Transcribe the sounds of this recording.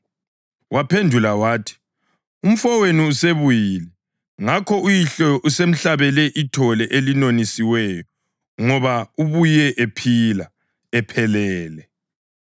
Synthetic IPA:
wʔapʰendʱulawaːtʰi̥ | um̩fɔweniuseβujilɛ | ŋakʰɔujiɬɔʔusem̩ɬaβɛlɛʔitʰɔlɛʔelinonisiwɛjɔ | ŋɔβauβujɛʔepʰila | ɛpʰɛlɛːlɛ

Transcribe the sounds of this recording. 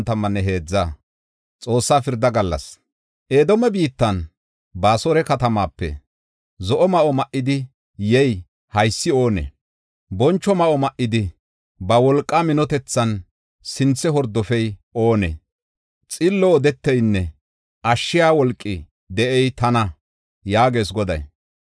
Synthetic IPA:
nt̪ɐmːɐnːɛɦe̞ːd͡zːaː | t͡sʼo̞ːsːaːfɪɾd̪ɐɡɐlːɐ̰s | ʔeːd̪ɔmɛbiːt̪ːɐn | baːsɔɾɛkɐt̪ɐmaːpːɛ̰ | zɔʔɔmɐʔɔmɐʔːɪd̪ɪ | jɛj | hɐjsːɪo̞ːnɛ̰ | bɔnt͡ʃːɔmɐʔɔmɐʔːɪd̪ɪ | bɐwɔlkʼːamɪnɔt̪ɛt͡sːɐn | sɪnt͡sːɛɦɔɾd̪ɔfɛjo̞ːnɛ̰ | t͡sʼɪlːɔːd̪ɛt̪ːɛjnːɛ | ʔɐʃːɪjaːwɔlkʼːɪ | d̪ɛʔɛjt̪ɐnɐ | jaːɡe̞ːs̬ɡɔd̪ɐ̰j

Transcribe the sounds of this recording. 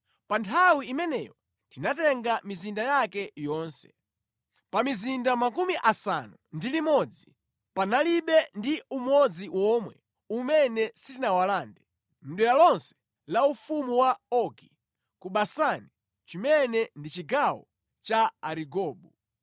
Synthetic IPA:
pantʰawiimɛnɛ̰jɔ | tinatɛŋɡamizindajakɛjɔːnsɛ̥̰ | pamizindamakumiʔasa̰nundilimɔd͡zi | panaliɓɛndiumɔd͡ziwʔɔmwɛ̰ | umɛnɛsitinawalaːndɛ | m̩ɗwɛlalɔnsɛ̥ | laufumuwaɔki | kuɓasani | t͡ʃimɛnɛndit͡ʃiɡawɔ̰ | t͡ʃaaɾiɡɔːɓu

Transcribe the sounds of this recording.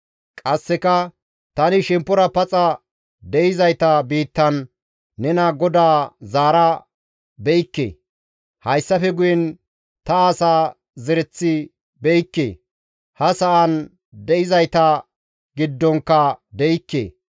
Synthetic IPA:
kʼɐsːɛkɐ | t̪ɐnɪʃɛmpːɔɾɐpɐt͡sʼɐ | d̪ɛʔɪzɐjt̪ɐbiːt̪ːɐnː | ɛnɐɡɔd̪aːzaːɾɐ | bɛɪkːḛː | hɐjsːɐfɛɡʊjɛn | t̪ɐasaː | zɛɾɛt͡sːɪ | bɛjɪkːḛ | hɐsɐʔɐn | d̪ɛʔɪzɐjt̪ɐ | ɡɪd̪ːɔŋkːɐd̪ɛɪkːḛː

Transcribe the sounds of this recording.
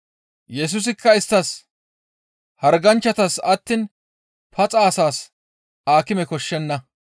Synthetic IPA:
jɛs̬ʊs̬ɪkːɐɪst̪ːɐs | hɐɾɡɐnt͡ʃːɐt̪ɐsɐt̪ːɪn | pɐt͡sʼaːsaːs | aːkɪmɛkɔʃːɛnːɐ

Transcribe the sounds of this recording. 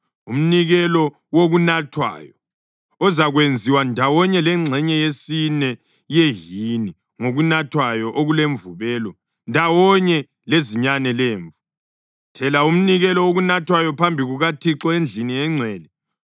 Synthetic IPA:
um̩niɣɛlɔ | woɣunatʰwa̰jɔ | ɔzaɣwend͡zʱiwandʱawɔɲɛlɛŋ͡ǀʱɛɲɛjesinɛ | jeɦini | ŋoɣunatʰwajɔʔoɣuleɱvuβɛːlɔ | ndʱawɔɲɛ | leziɲanɛleːɱvu | tʰɛlaum̩niɣɛlɔwoɣunatʰwajɔpʰambʱiɣuɣatʰiǁɔend͡ɮʱiniɛŋ͡ǀʱɛːlɛ

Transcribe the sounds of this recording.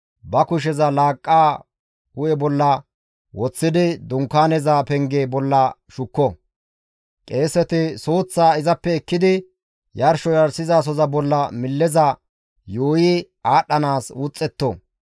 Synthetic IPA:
bɐkʊʃ̬ɛzɐlaːkʼːaː | hʊjɛbɔlːɐ | wɔt͡sːɪd̪ɪd̪ʊŋkːaːnɛzapɛŋɡeːbɔlːɐʃʊkːɔ | kʼe̞ːsɛt̪ɪsoːt͡sːaːɪzɐpːɛɛkːɪd̪ɪ | jɐɾʃɔjɐɾsɪzaːs̬ɔzɐbɔlːɐmɪlːɛzɐ | joːji | aːɗːɐnaːsʊt͡sʼːɛt̪ːo̰

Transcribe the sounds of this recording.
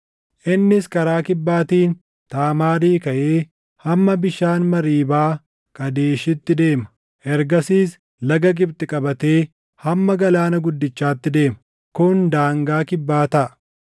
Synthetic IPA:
ʔɪnːɪskɐɾaːkɪbːaːt̪iːn | t̪aːmaːɾiːkɐʔeː | hɐmːɐbɪʃaːnmɐɾiːbaː | kʼɐd̪e̞ːʃɪt̪ːɪd̪e̞ːmɐ̥ | ʔɛɾɡɐsiːs | lɐɡɐɡʼɪbt̪ɪkʼɐbɐt̪e̞ː | hɐmːɐɡɐlaːnɐɡʊd̪ːɪt͡ʃːaːt̪ːɪd̪e̞ːmɐ̥ | kʊnd̪aːŋɡaːkɪbːaːt̪ɐʔɐ

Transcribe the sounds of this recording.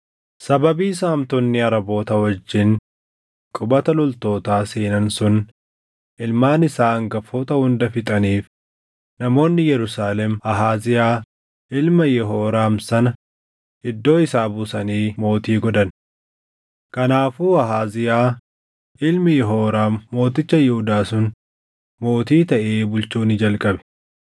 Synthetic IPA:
sɐbɐbiːsaːmt̪ɔnːɪɐɾɐbo̞ːt̪ɐwɐd͡ʒːɪn | kʼʊbɐt̪ɐlʊlt̪o̞ːt̪aːseːnɐnsʊn | ʔɪlmaːnɪsaːɐŋɡɐfoːt̪ɐhʊnd̪ɐfɪt̪ʼɐniːf | nɐmo̞ːnːɪjɛɾʊsaːlɛmɐɦaːzɪjaː | ʔɪlmɐjɛɦoːɾaːmsɐnɐ | ɪd̪ːo̞ːɪsaːbʊsɐniːmo̞ːt̪iːɡɔd̪ɐn | kɐnaːfuːɐɦaːzɪjaː | ɪlmɪjɛɦoːɾaːmːo̞ːt̪ɪt͡ʃːɐjɛhʊd̪aːsʊn | mo̞ːt̪iːt̪ɐʔeːbʊlt͡ʃuːnːɪd͡ʒɐlkʼɐbɛ̥

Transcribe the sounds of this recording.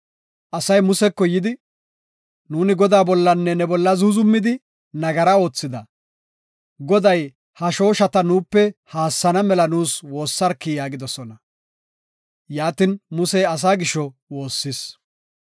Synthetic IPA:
ʔɐsɐjmʊsɛkːɔjɪd̪ɪ | nuːnɪɡɔd̪aːbɔlːɐnːɛnɛbɔlːɐzʊzʊmːɪd̪ɪ | nɐɡɐɾɐo̞ːt͡sːɪd̪ɐ | ɡɔd̪ɐj | hɐʃo̞ːʃɐt̪ɐnuːpːɛhaːsːɐnɐmɛlɐnuːswo̞ːsːɐɾkːɪjaːɡɪd̪ɔsɔnɐ | jaːt̪ɪnmʊsɛjɐs̬aːɡɪʃɔwo̞ːsːɪs

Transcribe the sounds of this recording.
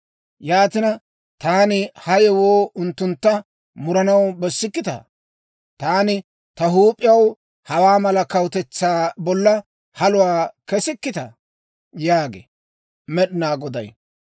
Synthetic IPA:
jaːt̪ɪnɐ | t̪aːnɪhɐjɛwoːʔʊnt̪ːʊnt̪ːɐ | mʊɾɐnɐwbɛsːɪkːɪt̪ɐ̰ | t̪aːnɪ | t̪ɐɦuːpʼːɪjɐw | hɐwaːmɐlɐkɐwt̪ɛt͡sːaːbɔlːɐ | hɐlʊwaːkɛsɪkːɪt̪ɐ | jaːɡḛ | mɛɗɪnaːɡɔd̪ɐ̰j

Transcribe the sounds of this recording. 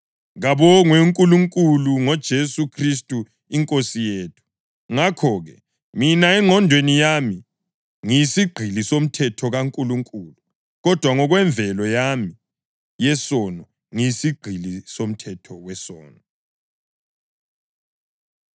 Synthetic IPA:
ɣaβɔŋweŋkʼuluŋkʼuluŋɔd̥ʒ̥ʱesukʰris̬tʼu | iŋkʼosijeːtʰu̥ | ŋakʰɔɣɛ | minaɛŋʱɔndʱwenijami | ŋijisiɡ͡ǃʱilisom̩tʰɛtʰɔɣaŋkʼuluŋkʼulu | ɣɔd̥ʱwaŋɔɣwɛɱb̪vʱɛlɔjami | jɛsɔnɔ | ŋijisiɡ͡ǃʱilisom̩tʰɛtʰɔwɛsɔ̰ːnɔ

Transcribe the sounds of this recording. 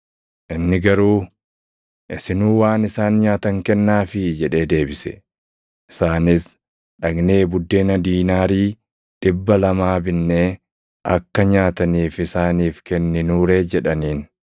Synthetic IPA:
ʔɪnːɪɡɐɾuː | ʔɪsɪnuːwaːnɪsaːnɲaːt̪ɐŋkɛnːaːfɪd͡ʒɛᶑe̞ːd̪e̞ːbɪsɛ̥̰ | ʔɪsaːnɪs | ᶑɐɡne̞ːbʊd̪ːe̞ːnɐd̪iːnaːɾiː | ᶑɪbːɐlɐmaːbɪnːeː | ʔɐkːɐɲaːt̪ɐniːfɪsaːniːfkɛnːɪnuːɾe̞ːd͡ʒɛᶑɐniːn

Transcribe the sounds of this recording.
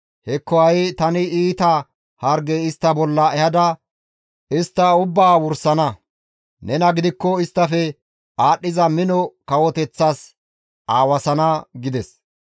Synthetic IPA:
hɛkːɔɐjt̪ɐnɪiːt̪ɐ | hɐɾɡeɪst̪ːɐbɔlːɐɛhɐd̪ɐ | ɪst̪ːɐʊbːaːwʊɾsɐnɐ | nɛnɐɡɪd̪ɪkːɔɪst̪ːɐfɛ | aːɗːɪzɐmɪnɔkɐwɔt̪ɛt͡sːas | ʔaːwɐsɐnɐɡɪd̪ɛs

